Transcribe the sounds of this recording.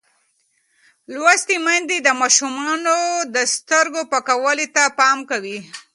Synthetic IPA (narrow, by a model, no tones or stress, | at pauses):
lwast̪imand̪id̪əmɑʃumɑnod̪əst̪əɾɡopakawəlit̪apɑmkawi